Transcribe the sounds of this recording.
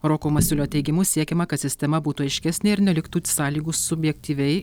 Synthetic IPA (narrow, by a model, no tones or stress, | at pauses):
ɾoːkoːmɐsʲɪlʲoːt̪ʲɛɪɡʲɪmʊsʲiɛkʲɛmɐkɐt̪sʲɪsʲt̪ʲɛmɐbuːt̪uːɐɪʃʲkʲɛsʲnʲeɪɾnʲɛlʲɪkt̪uːt̪ʲsɑːlʲiːɡʊːssʊbʲjɛk̚ʲt̪ʲiːʋʲɛɪ